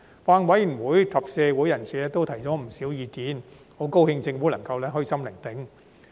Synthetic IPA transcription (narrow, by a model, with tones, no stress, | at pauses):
faː˧nwɐ˨˥jwuː˨˥jt̪ʰɐ˨˩p̚sɛː˧wu˨˥jɐ˨˩nsiː˨˩lɛː˥t̪o˥wt̪ʰɐ˨˩jt͡sɔː˨˥m̩˨˩siː˨˥wjiː˧t̪iː˨˥n | ho˨˥wko˥whɪ˧ŋt͡sɪ˧ŋfuː˨˥lɐ˨˩ŋkɐ˧wlɛː˥ɦɵ˥ɥjsɐ˥mlɪ˨˩ŋt̪ɪ˨˥ŋ